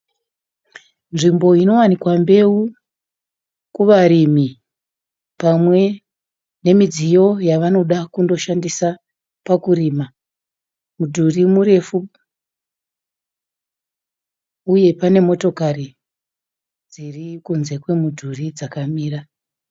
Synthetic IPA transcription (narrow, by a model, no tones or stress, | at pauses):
nʐimbo̞ino̞wanikwambe̞u | kuʋaɾimi | pamwe̞ | ne̞mid͡zijo̞jaʋano̞ɗakundo̞ʃandisa | pakuɾiːma | mudʱurimure̞fu | uje̞pane̞mo̞to̞kari | d͡zirikunze̞kwe̞mudʱurid͡zakamiːra